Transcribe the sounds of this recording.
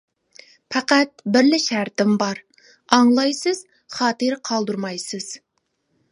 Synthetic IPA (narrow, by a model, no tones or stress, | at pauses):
pʰɑqæt̪̚bɪɾlɪʃæɾt̪ɪmbɑɾ | ɑŋlˠɑjsɨz̥ | χɑːt̪ɨɾqʰɑlˠd̪uɾmɑjsɨz̥